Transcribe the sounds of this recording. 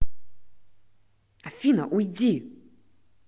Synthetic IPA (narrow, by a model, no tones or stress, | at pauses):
afʲinɐ̰ʔujd͡zʲi